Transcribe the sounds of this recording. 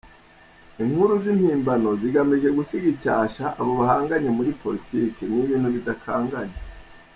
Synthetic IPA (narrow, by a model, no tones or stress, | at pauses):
iŋhuɾuzimhiːmbano̞ziɡamiʒe̞ɡusiɡicaːʃaʔaβoβahaːŋɡaɲemuɾipo̞ɾitiːkeniːβiːnhuβidakʰaːŋɡaɲe